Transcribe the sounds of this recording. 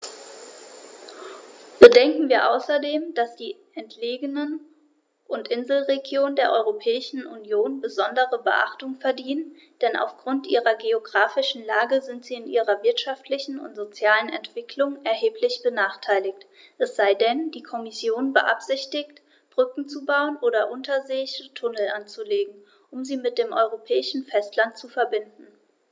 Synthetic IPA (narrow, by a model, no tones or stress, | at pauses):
b̥ədɛŋkŋ̩viːɐʔa̰ʊsɐdeːmd̥asd̥iːʔɛntʰleːɡənən | ʔʊntʔɪnzl̩ʁeɡjoːndeːɐʔɔʏʁopʰɛːɪʃn̩ʔunjoːnbəzɔndəʁəbə̰ʔa̰χtʊŋfɛɐdiːnən | d̥ɛna̰ʊfɡ̥ʁʊntʔiːʁɐɡeoɡʁaːfɪʃn̩laːɡəzɪntz̥iːɪnʔiːʁɐvɪɐtʃaftʰlɪçn̩ʊ̰ntz̥ot͡sjaːlənɛ̰ntv̥ɪkʰlʊŋʔɛɐheːplɪçb̥ənaːχtʰaɪlɪçt | ʔɛsz̥aɪdɛnd̥iːkʰɔmɪsjoːnbə̰ʔa̰pz̥ɪçtɪkt | b̥ʁʏkŋ̩t͡subaʊənʔoːɾɐʔʊntʰɐzeːɪçətʰʊnl̩ʔant͡suleːɡŋ̩ | ʔʊmziːmɪt̚d̥eːmʔɔʏʁ̞opʰɛːɪʃn̩fɛstlant̚t͡sufɛɐbɪndn̩